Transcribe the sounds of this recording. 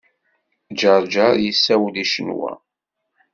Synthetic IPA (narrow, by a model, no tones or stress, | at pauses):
d͡ʒəɾˤd͡ʒəɾjəsːæwliʃənwæ̰